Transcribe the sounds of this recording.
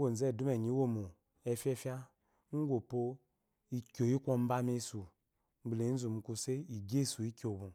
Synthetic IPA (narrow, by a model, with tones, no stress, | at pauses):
ɡo˨zɛ˦˨du˦mɛ˨ɲ˨i˨˦wo˦˨mu˨ | ɛ˨˧fʲɛ˦fja˦ | n̩˦ɡʷo˨po˦ | i˨˧kʲo˨ji˦kʷo˦m̩˦ba˦me˧˦su˨ | m̩˨˦ble˨˦n̩˦zu˨mu˨ku˧se˦i˨ɡe˦˨su˨i˦kʲo˨bũ˨